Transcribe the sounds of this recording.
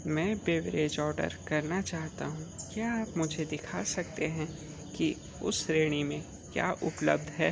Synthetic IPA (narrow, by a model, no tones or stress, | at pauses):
mɛ̃ːbeːʋɾeːd͡ʒɔːɾɖə̰ɾkɐɾnat͡ʃaːɦt̪a̰ɦũkjaːpmʊd͡ʒʱed̪ɪkʰasɐkt̪eɦɛ̃ | ki | ʊ̰sɾeːɽ̃imẽ | kja̰ːʔʊpləb̚d̪ʱɦɛː